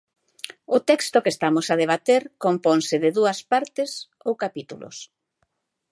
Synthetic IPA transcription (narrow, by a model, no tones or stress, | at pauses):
ʊt̪ɛkst̪ʊkest̪amosað̞eβ̞at̪eɾkompoŋsɪðɪðuɐspaɾt̪ɪs | owkapit̪ulʊ̰s